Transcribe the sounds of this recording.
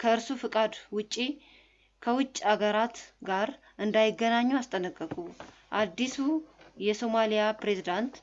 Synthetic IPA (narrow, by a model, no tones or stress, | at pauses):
kʰəɨɾsufɨkʼad̪wʊt͡ʃʼːi | kʰəwʊt͡ʃʼːaɡəɾat̪ɡaɾ | ʔɨnd̪ajɪɡːənaɲːuast̪ʼənəkʼːəkʼuʔad̪ːisujɛso̞malijapɾe̞zid̪ant̪